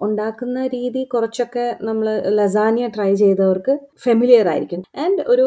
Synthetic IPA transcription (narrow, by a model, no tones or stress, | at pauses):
uɳɖaːkːunːɐɾiːðikurɐt͡ɕːo̞kːe̞nɐmːɐɭlɐzaːnijɐʈrɐjt͡ɕe̞jt̪ːɐʋɐrkɨfɐmilijɐra̰ːjɾikʲːunːɐɳɖo̞ɾu